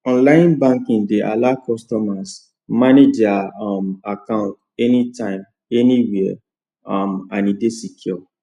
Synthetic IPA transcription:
ɔ̃nlãjĩnbãŋkĩŋdeʔa̰lakɔstɔmas | maned͡ʒamakãʊ̃nt | ɛnitãɪ̃m | ɛniwi | amãnidesikʰjɔ

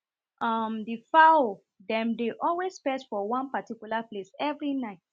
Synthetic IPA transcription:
ʔʌmdifao | dɛ̃mdeʔɔlwespɛdfɔwɔ̃npatikjulaplesɛvɹinaɪt̚

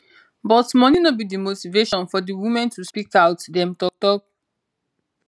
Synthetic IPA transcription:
bɔtmɔninɔbidimotiveʃɔ̃nfɔdiwimɛ̃ntuspikaʊtdɛ̃mtɔk̚tɔk̚

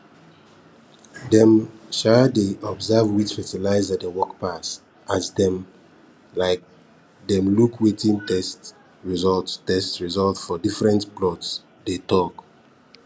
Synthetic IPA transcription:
dɛ̃mʃadeɔbzɛvwit͡ʃfɛtilaɪzadewɔkpas | ʔazdɛ̃m | laɪk̚ | dɛ̃mlukʰwetĩntɛst | ɹizɔlttɛstɹizɔltfɔdifɹɛ̃ntplɔts | detɔk

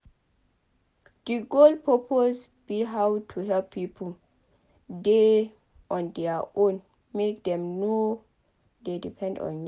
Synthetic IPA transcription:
d̥iɡolpʰɹɔpʰos | b̥iɦawtʰuɦɛlpʰːipʰɔl | de | ʔɔ̃ndɛaõn | mekdɛ̃mno | dedipʰɛ̃ndɔ̰̃nj

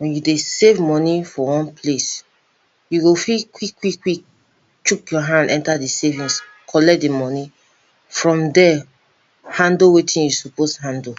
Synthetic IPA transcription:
wɛ̃njudesevmɔnifɔwɔ̃npʰles | juɡofilkwikwikːwik̚ | t͡ʃukjɔɦãndɛ̃ntadisevĩs | kʰɔlɛdimɔni | fɹɔ̃mdɛ | hãndowetʰĩnjusuposɦãndo

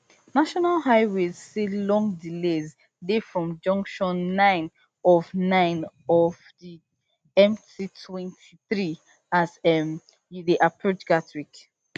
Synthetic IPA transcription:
naʃɔnalɦaɪwezselɔ̃ŋdilez | defɹɔ̃md͡ʒʌ̃ŋkʃɔ̃nːãɪ̃n | ɔvnãɪ̃n | ɔvdi | ɛ̃mtʰitʰwɛ̃ntʰiθɹi | azɛm | judeʔapʰɹot͡ʃɡatɹik

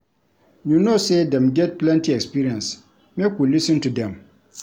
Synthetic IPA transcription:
junosedɛ̃mɡɛt̚plɛ̃ntiɛkspiɾiɛ̃ns | mɛkwulisɨ̃ntudɛ̃m

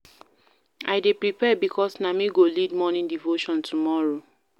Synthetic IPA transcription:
aɪdepɹipɛbikʰɔsnamĩɡolidmɔnĩndivoʃɔ̃ntʰumɔɹo

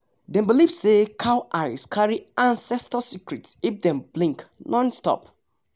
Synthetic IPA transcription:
dɛ̃mbilivsekʰaʊʔaɪskʰaɹiãnsɛstəsikɹitsifdɛ̃mblĩŋknʔɔ̃nstɔ̰p

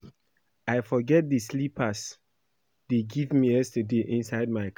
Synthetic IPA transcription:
aɪfɔɡɛt̚dəslipʰəs | deɡivmijɛstədeʔɪ̃nsaɪd̚maɪk

